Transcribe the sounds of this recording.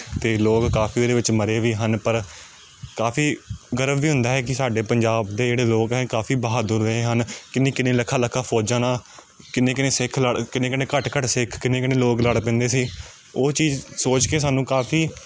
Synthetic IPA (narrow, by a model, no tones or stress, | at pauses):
t̪eːloːkːaːpiːoːd̪eːʋɪt͡ʃməɾeːʋiːɦənpəɾ | kaːpʰiːɡəɾəbʋiːɦʊ̃nd̪aːɦɛːk̬ɪsaːɖeːpəɲd͡ʒaːbd̪eːd͡ʒeːɽeːloːkɦɛːkaːpʰiːbaɦaːd̪ʊɾdeːɦənkɪnːẽːkɪnẽːləkʰːaːləkʰːaːpʰɔːd͡ʒãːnãː | kɪnẽːkɪneːsɪkʰləɽkɪnẽːkɪnẽːkəʈkəʈsɪkʰkɪnẽːkɪnẽːloːkləɽp̬ɛ̃ːnd̪eːsiː | oːt͡ʃiːzsoːt͡ʃkeːs̬aːnũːkaːpʰiː